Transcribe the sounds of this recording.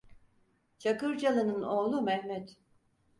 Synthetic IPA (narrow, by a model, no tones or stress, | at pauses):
t͡ʃʰakɯɾd͡ʒalˠɯnɯnoːlˠumɛhmɛt̪